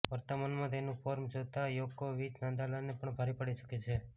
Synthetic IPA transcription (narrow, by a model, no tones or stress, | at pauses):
ʋəɾt̪əmanmãt̪enũpɔɾmd͡ʒot̪ajokːoʋid͡ʒnãnd̪alanepəɳbʱaɾipəɽit͡ʃə̥ket͡ʃʰe